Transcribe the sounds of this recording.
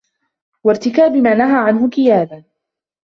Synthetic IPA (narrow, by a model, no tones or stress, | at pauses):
waɾt̪ɪkaːbɪmaːnaɦaːʕanɦʊqɪjaːda